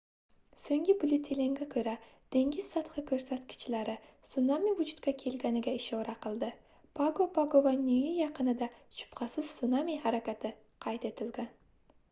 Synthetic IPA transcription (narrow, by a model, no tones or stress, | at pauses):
sɵŋɡʲɪbʊlʲut̪ʰeleŋɡʲakʲʰɵɾad̪̥eŋɡʲɪz̥sɑt̪qɨkʲʰɵɾsat̪kʲʰɪ̥t͡ʃlaɾɪsʊnamivʊd͡ʒʊt̪kʰʲakʲʰe̞lɡʲanɪɡʲaɪʃowɾaqɨlˠd̪ɪ | pʰaɡopʰaɡovanyjɪjɑqɨnɪd̪aʃʰʊ̥pqʰɑsɪz̥sʊnamihaɾakʲat̪ʰɪ | qʰɑjt̪e̞t̪ʰɪld̪ɪn